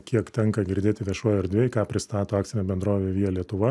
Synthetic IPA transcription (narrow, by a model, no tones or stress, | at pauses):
kʲiɛkt̪ʲɛŋkɐɡʲɪɾʲd̪ʲeːt̪ʲɪʋʲiɛʃuɔjɐɾd̪ʲʋʲeːjɪkɑːpʲɾʲɪst̪ɑːt̪oːɑːkt̪t͡s̪ʲɪnʲoːbʲɛnd̪ɾoːʋʲeːʋʲiːɐlʲiɛt̪ʊʋɐ